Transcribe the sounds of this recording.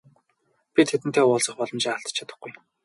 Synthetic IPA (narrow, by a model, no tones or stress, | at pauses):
pʲit̪ʰet̪ɘ̆nt̪ʰeːʊːɮsə̆χpɔɮɞ̆mt͡ɕiŋaɬt̪ə̥̆t͡ɕʰat̪ə̆χɡuj